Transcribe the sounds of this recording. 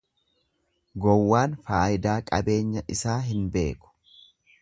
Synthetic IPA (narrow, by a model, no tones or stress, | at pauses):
ɡɔwːaːnfaːjɪd̪aːkʼɐbe̞ːɲːɐʔɪsaːɦɪnbe̞̰ːkʊ̥